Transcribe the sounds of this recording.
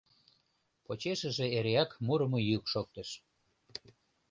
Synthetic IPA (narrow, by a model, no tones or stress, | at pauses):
pot͡ɕeʃəʒeeɾeɑkmuɾə̆mojykʃok̚t̪əʃ